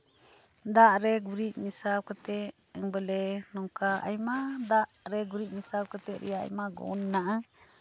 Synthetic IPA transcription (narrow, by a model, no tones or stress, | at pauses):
d̪aʔɾɛɡuɾit̪̚ˀmisab̚kat̪ɛ | ɛŋbəlɛnɔŋkaʔa̰jmad̪aʔɾɛɡuɾiʔ̪̚misab̚kat̪ɛʔɾɛ̰jaa̰jmaɡɔ̰nːaʔa